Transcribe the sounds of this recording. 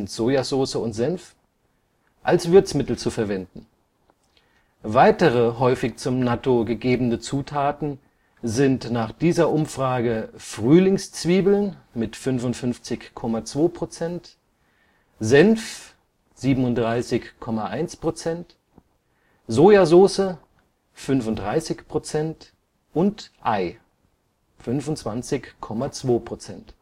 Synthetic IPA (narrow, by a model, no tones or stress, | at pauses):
ntz̥oːjazoːsəʊntz̥ɛnf | ʔalsv̥ɪɐt͡smɪtl̩t͡sufɛɐvɛndn̩ | vaɪtəʁəɦɔʏfɪçt͡sʊmnatoɡəɡeːbn̩ət͡suːtʰaːtn̩ | zɪntnaːχd̥iːzɐʔʊmfʁ̥aːɡəfʁ̥yːlɪŋst͡sv̥iːbl̩nmɪtfʏnfʊntfʏnft͡sɪçkʰːɔmat͡sv̥oːpʁ̥ot͡sɛnt | zɛnf | z̥iːbm̩ʊnt̚d̥ʁaɪsɪçkʰɔmaʔaɪnspʁ̥ot͡sɛnt | zoːjazoːsə | fʏnfʊntdʁaɪsɪçpʁ̥ot͡sɛnt | ʔʊntʔaɪ | fʏnfʊntt͡sv̥ant͡sɪçkʰːɔmat͡sv̥oːpʁ̥ot͡sɛnt